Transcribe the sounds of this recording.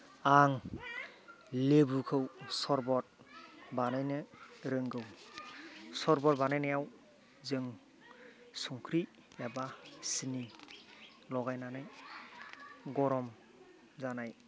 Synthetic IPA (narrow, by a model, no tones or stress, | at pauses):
aŋ | lebukʰɯwsɔɾbɔt̚banajnɯɾɯŋɡɯw | sɔɾbɔt̚banajnajaw | zɯŋ | suŋkʰɾi | abasini | lɔɡajnanaj | ɡɔɾɔm | zanaj